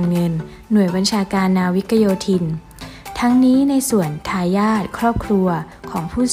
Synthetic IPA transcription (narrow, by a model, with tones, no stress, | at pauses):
nŋɤ˧nː | u˨˩əjba˧nt͡ɕʰaː˧kaː˧nːaː˧wi˦˥kʰːa˧joː˧t̪ʰi˧n | t̪ʰa˦˥ŋniː˦˥na˧jsu˨˩ənt̪ʰaː˧jːaː˥˩t̪̚kʰɾɔː˥˩p̚kʰɾu˧ɐ | kʰɔː˩˦ŋpʰuː˥˩